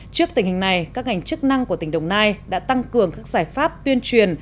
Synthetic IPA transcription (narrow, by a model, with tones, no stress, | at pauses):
t͡ɕɨ˦˥ək̚t̪ï˧˩ŋhi˨˩ŋ̟na˨˩jkaː˦˥k̚ha˨˩jŋ̟t͡ɕɨ˦˥k̚na˧ŋku˧˩t̪ï˧˩ŋ̟ɗə˨˩wŋ͡mnaː˧jɗa̰ː˧˥t̪a˧ŋkɨ˨˩əŋkaː˦˥k̚zaː˧˩jfaː˦˥p̚t̪wi˧ənt͡ɕwi˨˩ən